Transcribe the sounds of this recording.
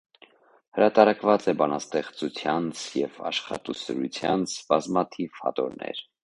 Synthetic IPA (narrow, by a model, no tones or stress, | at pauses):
həɾɑt̪ɑɾɑkvɑt͡sɛbɑnɑst̪ɛχt͡sut͡sʰjɑnt͡sʰjɛvɑ̰ʃχɑ̰t̪usəɾut͡sʰjɑnt͡sʰbɑzmɑt̪ʰiv̥hɑ̰t̪ɔɾnɛ̰ɾ